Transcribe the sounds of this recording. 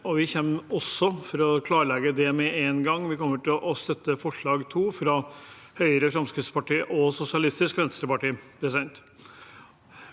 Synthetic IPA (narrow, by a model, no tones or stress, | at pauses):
ɔʋɪçɛmːɔsːɔfɔɾɔkʰlɑːɾɭɛɡəd̪ɛmɛeːnɡɑŋːʋɪkɔmːəʈɪlʔɔst̪œt̪ːəfɔʂɭɑːɡt̪ʰuːfɾɑ | hœʏəɾəfɾɑmskɾɪt̪spɑʈiːəʔɔsʊsɪɑlɪst̪ɪskʋɛnst̪ɾəpɑʈiːpɾɛs̬ɛnt̪